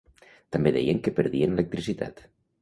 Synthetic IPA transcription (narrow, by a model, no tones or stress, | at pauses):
t̪ambeðɛ̰jəŋkəpəɾðienelək̚t̪ɾisit̪a̰t̪